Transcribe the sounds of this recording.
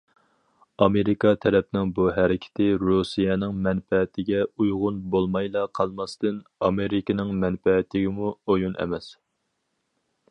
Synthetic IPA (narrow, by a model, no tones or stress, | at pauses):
ɑmeɾɪkɑt̪ʰɛɾɛp̚nɪŋbuɦæɾɪkʲʰɪ̥t̪ʰɪɾusijɛnɪŋmɛnfɛt̪ʰɪɡʲɛujʁʊnbolˠmɑjlˠɑqʰɑlˠmɑst̪ɨnɑmeɾɪkʲɪnɪŋmɛnfɛt̪ʰːɪɡʲɪmuojunʔɛ̰mɛs